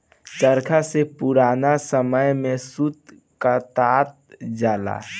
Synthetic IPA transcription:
t͡ʃəɾkʰasepuɾaːnasəməjmẽsut̪ | kat̪aːt̪̚d͡ʒaːla̰ː

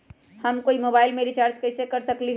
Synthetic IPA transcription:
həmkoːimoːbaːɪlmeɾit͡ʃaːɾt͡ʃkɐɪsekɐɾsəkliɦ

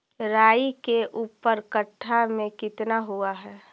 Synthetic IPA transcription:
ɾaːikeʔuːpəɾkəʈʰːamẽkɪt̪naɦuaɦɛː

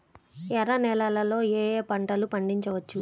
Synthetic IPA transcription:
ɛɾɐnɛlɐlɐlo̞ːeːpɐɳʈɐlupɐɳɖiɲt͡ʃɐʋɐt͡ʃːu

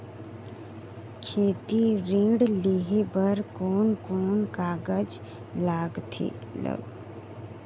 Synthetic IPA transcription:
kʰeːt̪iɾĩːɽleɦebəɾkoːnkoːnkaːɡəd͡ʒ | laːɡt̪ʰḭː | lə̰ɡ

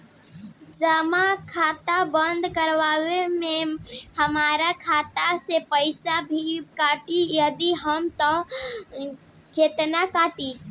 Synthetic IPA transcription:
d͡ʒəmakʰaːt̪abənd̪ʱkəɾʋaːwemehəmaːɾakʰaːt̪asepəɪsabʱikaːʈijəd̪iɦəmt̪ɔ̃ | kʰeːt̪nakaːʈi

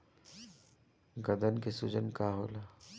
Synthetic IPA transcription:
ɡɐd̪ənkesʊd͡ʒənkaːɦoːlaː

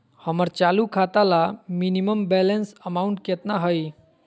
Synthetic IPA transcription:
həməɾt͡ʃalukʰat̪alaminiməmbɛlənsəmauɳʈket̪naɦəj

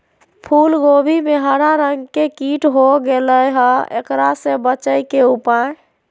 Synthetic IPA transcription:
pʰulɡobʱimeɦəɾaɾəŋɡkekiʈɦoɡeləjɦəḛkɾasẽbət͡ʃəjkeupaj

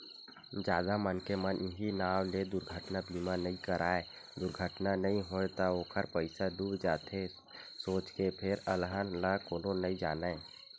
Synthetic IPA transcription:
d͡ʒjaːd̪amənkemənɪɦinaːwled̪ʊɾɡʱəʈnabʱiːmanɐɦĩkəɾaːe | d̪ʊɾɡʱəʈnanəɦĩɦoːet̪aoːkʰəɾpəɪsaɖuːbd͡ʒaːt̪ʰe | soːt͡ʃkepʰɪɾəlɦənlakoːnonəĩd͡ʒaːna

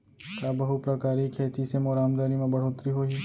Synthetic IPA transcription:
k̪aːbɐɦʊpɾɐkaːɾikʰeːt̪isemoɾaːmd̪aːɾimẽbɐɽ̤oːt̪ɾiɦoːi

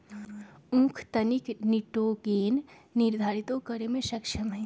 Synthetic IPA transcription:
ũːkʰt̪ɐnikniʈoɡeːnːɪɾd̪ʱaːɾit̪okəɾemẽʃɐkʃəmɦɛ

